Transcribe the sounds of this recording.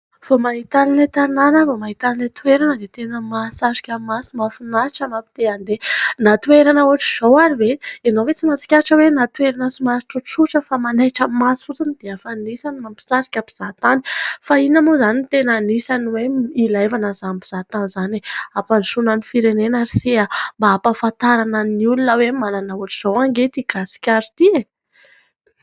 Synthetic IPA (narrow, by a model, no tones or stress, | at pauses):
famaɦit̪alinet̪ananəmamaɦit̪alinet̪uweɾanəd̪et̪enəmasaʃi̥kʲamasimafunaʈ͡ʂamapid̪̥eand̪enat̪ueɾanəuaʈ͡ʂiz̥owaɾiveenowet͡simat͡si̥kʲaʈ͡ʂəwenat̪weɾanəsimasʈ͡ʂuʈ͡ʂuʈ͡ʂəfamanajʈ͡ʂəmasut͡sinid̪̥eafanisanimampi̥saɾi̥kʲapi̥z̥at̪ani̥fainamozanint̪enanisaniweilajvanazanpiz̥at̪anzaneapanʃunanifiɾenenaɾisiambaapafant̪aɾananiulunəwemananauaʈ͡ʂi̥z̥owaŋɡet̪iɡ̥asi̥kʲaɾit̪ie